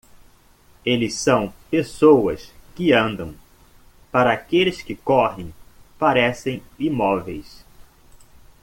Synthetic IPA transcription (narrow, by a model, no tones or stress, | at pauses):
elɪsɐ̃w̃pesowɐskɪɐ̃nd̪ɐ̃w̃ | paɾɐːkelɪskɪkɔɦẽj̃paɾɛsẽj̃imɔvejs